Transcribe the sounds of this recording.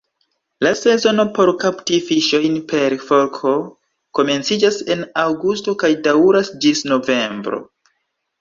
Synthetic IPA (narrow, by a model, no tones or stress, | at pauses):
lase̞zo̞no̞po̞ɾkaptifiʃo̞jnpe̞ɾfo̞ɾkʰo̞ | ko̞me̞nt͡sid͡ʒase̞nawɡusto̞kajdawɾasd͡ʒisno̞ve̞mbɾo̞̰